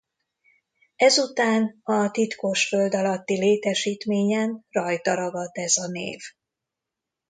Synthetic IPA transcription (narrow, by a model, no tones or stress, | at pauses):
ɛzut̪aːnhɒt̪it̪koʃføld̪ɒlɒt̪ːileːt̪ɛʃiːt̪meːɲɛnrɒjt̪ɒɾɒɡɒd̪ɛzɒnḛːv